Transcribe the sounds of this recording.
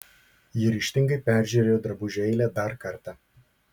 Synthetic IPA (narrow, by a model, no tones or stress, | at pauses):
jɪɾʲɪʃʲt̪ʲɪŋɡɐɪpʲæˑɾʲʒʲuːɾʲeːjoːd̪ɾɐbʊʒʲɛɪlʲɛːd̪ɐɾkɐɾt̪ɑ